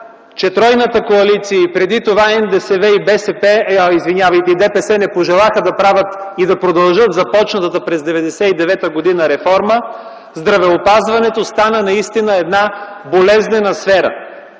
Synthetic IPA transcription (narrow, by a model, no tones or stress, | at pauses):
t͡ʃɛt̪ɾɔjnət̪əkoɐlit̪siəipɾɛd̪it̪ovaɛnd̪ɛsɛvɛibɛsɛpɛizvinʲjavəjt̪ɛid̪ɛpɛsɛnɛpoʒɛlˠaxəd̪ɐpɾavət̪id̪ɐpɾod̪ɐlˠʒɤt̪zɐpɔt͡ʃnɐt̪ət̪əpɾɛzd̪ɛvɛd̪ɛsɛid̪ɛvɛt̪əɡod̪inəɾɛfɔɾmə | zd̪ɾɐvɛopazvɐnɛt̪ost̪anənɐist̪inəɛd̪nabolɛznɛnəsfɛɾə̰